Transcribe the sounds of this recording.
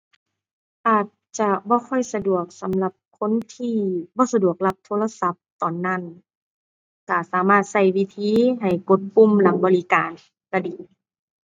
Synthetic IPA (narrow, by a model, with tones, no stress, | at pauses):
ʔaː˨˩t̪̚t͡ɕa˧bɔː˧˦kʰɔ˧˥˩jsa˧du˨˩ək̚sa˨˦mla˧˦p̚kʰo˧˥˨nt̪ʰiː˧˨bɔː˧˦sa˧du˨˩ək̚la˧˩p̚t̪ʰoː˧˥˨la˧sa˧˦p̚t̪ɔː˨˩nːa˧˥˨n | ka˧˩saː˨˦maː˧˩t̪̚sa˧˩jwi˧˨t̪ʰiː˧˥ɦa˨˩jko˧˦t̪̚pu˧˥˨mla˨˦ŋbɔː˨˦li˦kaː˨n | ka˧˩diː˨˩